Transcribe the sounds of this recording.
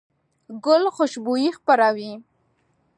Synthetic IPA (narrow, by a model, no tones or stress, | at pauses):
ɡʊlxʊʃbujixpaɾawi